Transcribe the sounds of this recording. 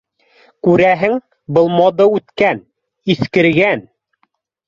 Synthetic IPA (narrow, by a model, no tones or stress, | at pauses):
kʉɾæɦɘŋ | bɤ̆lˠmɑd̪ɤʉt̪kæn | iθkɘ̆ɾɡæn